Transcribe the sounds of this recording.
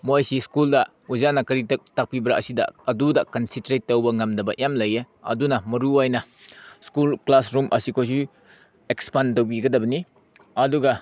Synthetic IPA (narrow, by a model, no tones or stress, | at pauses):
mojsiskuldɐ | uzanɐkɐɾitɐk̚tak̚pibɾaʔɐsidɐ̰ɐdudɐkɐnsentɾetːɐwbɐŋamdɐbɐʔjamlɐje | ɐ̰dunɐmɐɾuajnɐskulklasɾumʔɐ̰sikʰojs̬u | ekspantɐwbiɡɐdɐbɐni | ɐduɡɐ